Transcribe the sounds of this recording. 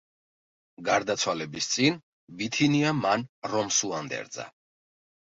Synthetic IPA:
ɡaɾd̪at̪sʰwalɛbist̪sʼin | bit̪ʰiniamanɾɔmsuand̪ɛ̰ɾd̪za̰

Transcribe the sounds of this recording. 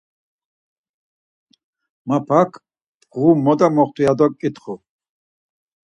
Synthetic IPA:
mapʰakʰ | pʁumːɔd̪amɔχt̪ʰujad̪ɔkʼit̪ʰχu

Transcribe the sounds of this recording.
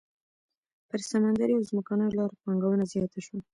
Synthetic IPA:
pəɾsamand̪aɾijawzməkɑnəjlɑɾpɑŋɡawənazjɑt̪aʃwa

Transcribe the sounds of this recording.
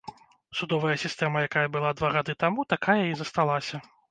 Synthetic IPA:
sud̪ɔvɐjɐsʲist̪ɛmɐjakajɐbɨlˠad̪vaɣad̪ɨt̪amut̪akajɐizɐst̪alˠasʲɐ

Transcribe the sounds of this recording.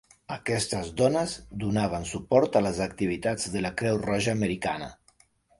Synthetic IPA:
əkɛst̪əzd̪ɔnəzd̪unaβ̞ənsupɔɾt̪ələzək̚t̪iβit̪ad͡zðələkɾɛwrɔʒəːməɾikanə̰

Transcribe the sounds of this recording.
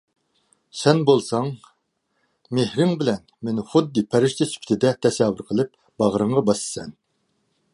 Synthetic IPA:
sɛnbolˠsɑŋ | mehɾɪŋbɪlɛnmenɪχʊd̪ːɨpʰɛɾɪʃt͡ʃ̪ʰɛsʰy̥pʲʰt̪ʰɪd̪ɛt̪ʰɛsɛvʊɾqʰəlˠɨp̚ | b̥ɑʁɾɨɴʁɑbɑsɨ̥sɛn

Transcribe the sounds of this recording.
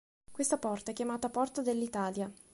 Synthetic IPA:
kwest̪apɔrt̪aɛkːjamaːt̪apɔrt̪ad̪elːit̪aːlja

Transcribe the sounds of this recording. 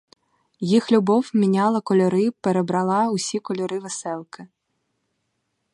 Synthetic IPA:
jixlʲubɔwmʲinʲalˠɐkɔlʲɔɾɨpɛɾɛbɾalˠausʲikɔlʲɔɾɨvɛsɛlˠkɐ

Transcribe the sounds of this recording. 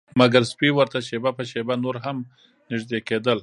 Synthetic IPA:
maɡaɾspiwəɾt̪aʃebapəʃebanoɾɦam | nɪʒd̪eked̪əl

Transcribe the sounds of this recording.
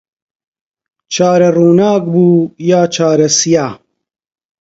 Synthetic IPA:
t͡ʃʰaːɾɐruːnaːkbuːjaːt͡ʃʰaːɾɐsijaː

